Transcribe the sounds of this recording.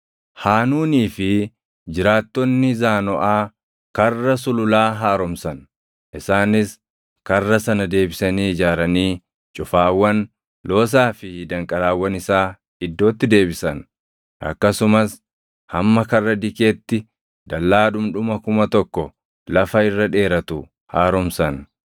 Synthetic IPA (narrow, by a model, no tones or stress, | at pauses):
haːnuːniːfɪ | d͡ʒɪɾaːt̪ːɔnːɪzaːnɔʔaː | kɐrːɐs̬ʊlʊlaːɦaːɾɔmsɐn | ʔɪsaːnɪs | kɐrːɐsɐnɐd̪e̞ːbɪsɐniːɪd͡ʒaːɾɐniː | t͡ʃʼʊfaːwːɐn | lo̞ːs̬aːfɪd̪ɐŋkʼɐlaːwːɐnɪsaː | ɪd̪ːo̞ːt̪ːɪd̪e̞ːbɪsɐn | ɐ̰kːɐsʊmɐs | hɐmːɐkɐrːɐd̪ɪkeːt̪ːɪ | d̪ɐlːaːᶑʊmᶑʊmɐkʊmɐt̪ɔkːɔ | lɐfɐɪrːɐᶑe̞ːɾɐt̪ʊ | haːɾɔmsɐn